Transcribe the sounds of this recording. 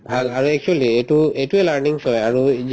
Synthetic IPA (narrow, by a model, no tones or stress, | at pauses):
bʱalaɹuɛk̚t͡ʃualietuejtuɛlaɹniŋsɔjaɹu